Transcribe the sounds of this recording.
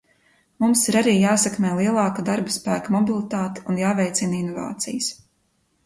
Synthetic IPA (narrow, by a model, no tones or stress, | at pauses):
mumsiɾaɾiːjaːsɛkmɛːlˠiɛlˠɑːkad̪aɾbaspæːkamɔbilˠit̪aːt̪i̥unjaːvʲɛjt̪sininɔva̰ːt̪sḭjəs